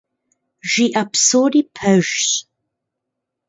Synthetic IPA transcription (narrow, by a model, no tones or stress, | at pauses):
ʒiːʔapsoɾiːpʰɐʒɕ